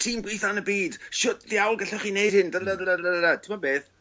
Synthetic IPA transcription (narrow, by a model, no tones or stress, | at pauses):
tʰiːmɡwijθanəbiːd̥ʃʊtðiawlˠɡaɬɛχiːnejd̥hɪndəladaəɾatʰɪmabeːθ